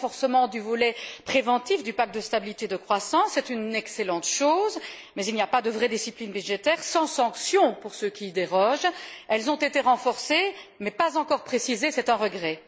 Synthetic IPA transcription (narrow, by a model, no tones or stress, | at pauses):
fɔʁsəmɑ̃d̪yvɔlɛpχevɑ̃t̪ifd̪ypak̚t̪̚d̪əst̪abilit̪ed̪əkχwasɑ̃sːɛt̪ynɛkselɑ̃t̪ʃoːz | mɛzilnijapad̪əvʁɛd̪isiplinbyʒet̪ɛʁsɑ̃sɑ̃ksjɔ̃puʁsøkʲiːd̪eʁɔʒɛlzɔ̃t̪et̪eʁɑ̃fɔʁsemɛpazɑ̃kɔʁpχesizesɛt̪ɛ̃ʁəɡʁɛ